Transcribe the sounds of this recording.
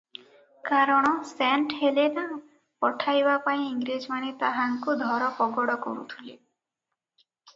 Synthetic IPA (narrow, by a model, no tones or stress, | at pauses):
kaɾɔɽ̃ɔsɛɳʈhelena | pɔʈʰajbapaĩiŋɡɾed͡ʒmanet̪aɦaŋkud̪ʱɔɾɔpɔɡɔɽɔkɔ̰ɾṵt̪ʰile